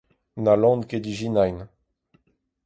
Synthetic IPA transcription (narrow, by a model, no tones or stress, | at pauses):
nalɑ̃nked̪iʒinajn